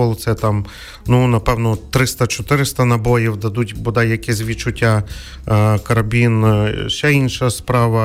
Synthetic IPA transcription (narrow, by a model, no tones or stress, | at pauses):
ɔlˠt̪sɛt̪ɑm | nunɐpɛwnɔt̪ːɾɪst̪ɐt͡ʃɔt̪ɪɾɪst̪ɐnɐbɔjiwd̪ɐd̪utʲbɔd̪ɑjːɐkɛzʲzʲʋʲidt͡ʃʊtʲːa | kɐɾɐbʲinʃɛinʃɐspɾɑʋɐ